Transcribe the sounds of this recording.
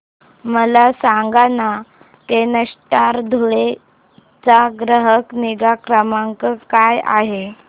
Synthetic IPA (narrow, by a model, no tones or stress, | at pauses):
məlasaŋɡana | t̪enəʂʈaɾd̪ʱuɭe | t͡saɡɾəɦəkniɡakɾəmaŋkəkaja̰ɦe